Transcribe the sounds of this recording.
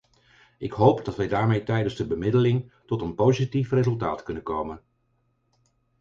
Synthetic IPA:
ʔɪkɦowpdɑtʋɛjdaːɹmejtɛjdənzdəbəmɪdəlɪŋtɔtənpowzitifrezɵlˠta̰ːtkɵnənkowmən

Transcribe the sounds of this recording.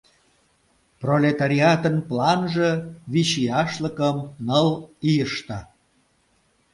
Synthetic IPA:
prolʲet̪aɾʲiɑt̪ənplɑnʒɤ̆βiɕijɑʃləkəmnəlijəʃt̪ɑ

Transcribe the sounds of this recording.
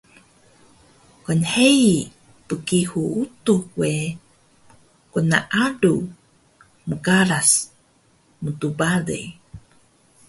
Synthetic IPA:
kɔnhei | pəkihuut̪uhwe | kunaʔaɖu | məkaɾas | mut̪ubalḛj

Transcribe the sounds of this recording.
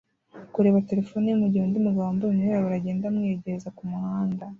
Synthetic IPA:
kuɾe̞ːβate̞ɾefo̞nijumuɟiondimuɡaaːmbouɲueɾaβaɾaɟe̞ːndamŋeːɟeɾezakumuhaːnda

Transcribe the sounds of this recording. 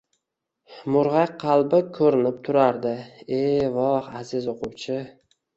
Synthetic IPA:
mʊɾʁɑqʰɑlˠbɪkʰɵɾɪnɪp̚t̪ʰʊɾaɾd̪ɪevɒhazɪzoqʰʊwt͡ʃʰɪ

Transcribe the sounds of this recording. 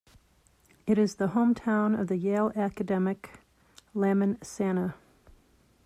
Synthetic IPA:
ɨɾɨzðəhõʊ̃mtʰãʊ̃nʌvðɨjeɪlˠækɨdɛmɨk | læmɨ̃nsænə

